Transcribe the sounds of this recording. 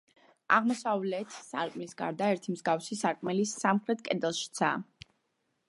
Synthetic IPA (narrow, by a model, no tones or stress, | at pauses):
aʁmɔsavlɛːt̪ʰsa̰ɾkʼmisɡa̰ɾd̪aɛɾt̪ʰimzɡafsisaɾkʼmɛlisamχɾɛt̪̚kʼɛd̪ɛlˠʃi̥t̪sʰa̰ː